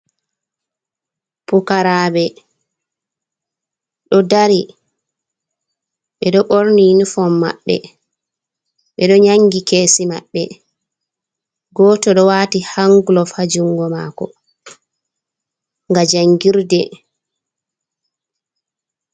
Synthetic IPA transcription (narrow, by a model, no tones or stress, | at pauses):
pukaɾaːbɛ | ɗɔdaɾi | ɓɛɗɔɓoɾninifɔmːa̰ɓːɛ̰ | ɓɛɗɔɲaŋɡikeːsima̰ɓːɛ̰ | ɡɔːtɔɗɔwaːtihaŋɡulɔfad͡ʒuŋɡɔma̰ːkɔ | ŋɡad͡ʒaŋɡiɾdɛ